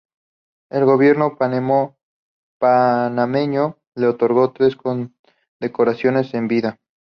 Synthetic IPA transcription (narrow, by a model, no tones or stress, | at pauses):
e̞lɣo̞βje̞ɾno̞panmo | panameɲo̞ | le̞ot̪o̞ɾɣo̞t̪ɾe̞skon | d̪e̞koɾasjo̞ne̞se̞mbiða